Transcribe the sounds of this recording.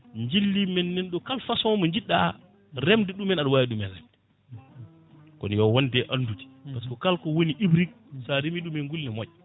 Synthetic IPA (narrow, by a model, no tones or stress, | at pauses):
ɲd͡ʒilːimɛnːɛnɗɔkalfasɔmɔɲd͡ʒiɗːa | ɾɛmdɛɗumɛnaɗwajiɗumɛnɾɛ̰mdɛ | kɔ̰njɔwɔndɛʔanduti̥askɔkalkɔwoniʔibɾik̚saɾimiɗumɛŋɡulnɛmod͡ʒɛ